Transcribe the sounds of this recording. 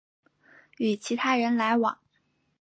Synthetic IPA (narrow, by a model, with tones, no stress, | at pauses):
y˨˩t͡ɕʰi˧˥t̪ʰa˥ɻə˧˥nla˧˥ɪwɑ̰˨˩˦ŋ